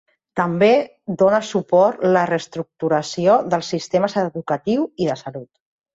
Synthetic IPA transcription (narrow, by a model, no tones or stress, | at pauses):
t̪əmbe | d̪onəsupɔt̪lərəst̪ɾuk̚t̪uɾəsioðəlˠsist̪eməzəðukət̪iwiðəsəlut̪